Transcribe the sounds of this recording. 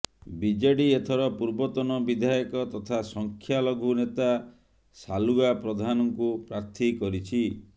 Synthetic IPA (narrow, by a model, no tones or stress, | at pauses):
bid͡ʒaɽiet̪ʰɔɾɔpuɾbɔt̪ɔnɔbid̪ʱajɔkɔt̪ɔt̪ʰasɔŋkʰjalɔɡʱunet̪a | saluɡapɾɔd̪ʱanɔŋkupɾaɾt̪ʰikɔɾit͡ʃʰi